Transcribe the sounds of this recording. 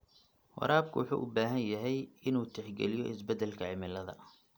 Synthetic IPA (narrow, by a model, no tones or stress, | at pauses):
wɑ̰ɾʔaːb̚kʰʊwʊħṵːʔʊbaːɦɐnjɐɦɛjɪnuːt̪ʰɛħɡɛlɪjɔʔɪsbɛd̪ɛlkʰɐʕɪmɪlɐðɐ̰